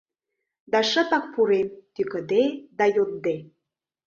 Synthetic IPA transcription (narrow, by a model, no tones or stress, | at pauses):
d̪ɑʃə̆pɑk̚puɾemt̪ykə̆d̪ed̪ɑjot̪̚d̪e